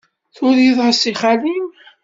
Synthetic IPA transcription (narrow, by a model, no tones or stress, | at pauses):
θʊɾiðˤʁəsiχalim